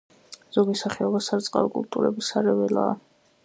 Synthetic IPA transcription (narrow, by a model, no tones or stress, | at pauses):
z̥ɔɡisaχɛɔbasaɾt̪sʼqʼa̰ɾɔkʼult̪ʼuɾɛbisaɾɛvɛla̰ː